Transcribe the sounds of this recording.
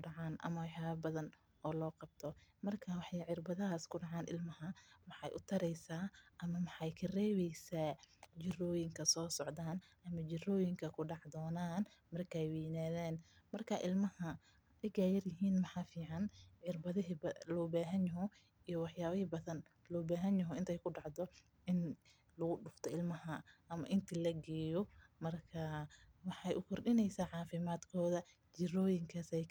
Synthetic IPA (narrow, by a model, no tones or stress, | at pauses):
ɖɑʕaːnʔɐ̰mɐwɑħjaːβɐbɐðɐn | ʔɔːlɔːqɑb̚t̪ʰɔmɐrkʰawɑħɑʕɪrbɐðɐɦaːskʰʊɖɑʕɑːnʔɪ̰lmɐɦɐmɑħɑjʔʊt̪ʰɐɾɛjsaːʔɐmɐmɑħɑjkʰɐrɛːβɛjsaːt͡ʃɪrɔːjɪŋkʰɐsɔːsɔʕðaːn | ɐmɐt͡ʃɪrɔːjɪŋkʰɐkʰʊɖɑʕd̪ɔːnaːnmɐrkʰajwɛːnaːðɛːn | mɐrkʰaːʔɪlmɐhɐ | ɛjɡaːjɐrjɪɦiːnmɑħɑːfiːʕɑnɛrbɐðɪɦbɐlɔːβaːɦɐnjɐɦɔ | ijɔwɑħjaːβɐhɪbɐðɐn | lɔːbaːɦɐnjɐɦɔɪnt̪ʰɛjkʰʊɖɑʕd̪ɔ | ɪn | lɐɣʊɖʊft̪ʰɔɪlmɐɦɐʔɐmɐʔɪnt̪ʰilɐɡɛːjɔmɐrkʰɐwɑħɑjʔʊkʰɔrɗɪnɛjsaːʕɑːfɪmaːd̪kʰɔːðɐ | t͡ʃɪrɔːjɪŋkʰasɛj